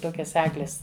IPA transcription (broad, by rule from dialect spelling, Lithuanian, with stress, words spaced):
ˈtoːkʲɛs ˈæːɡlʲeːs